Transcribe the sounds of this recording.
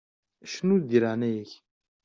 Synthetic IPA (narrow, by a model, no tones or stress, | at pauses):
ʃnud̪iɾanæjəç